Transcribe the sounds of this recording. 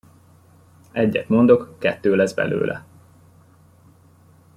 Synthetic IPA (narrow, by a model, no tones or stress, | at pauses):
ɛɟːɛt̪mo̞nd̪o̞kːɛt̪ːøːlɛzbɛ̰lø̰ːlʔɛ̰